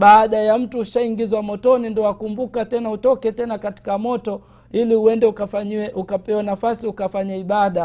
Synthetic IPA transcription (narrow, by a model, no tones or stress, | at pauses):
ɓaːɗajam̩tuːʃaiŋɡizwamɔtɔnindɔakumbukatɛnautɔkɛtɛnakati̥kamɔtɔ | ilihuɛndɛukʔukapɛwanafasiukafaɲaiɓaɗa